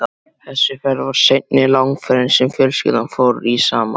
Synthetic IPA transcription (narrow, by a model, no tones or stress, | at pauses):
a | θɛsːʏfɛɾvaɾ̥sejt̪nɪlawŋfɛɾɪnsɛmfjœɾscɪ̰ðanfoːwɾɾisaːma̰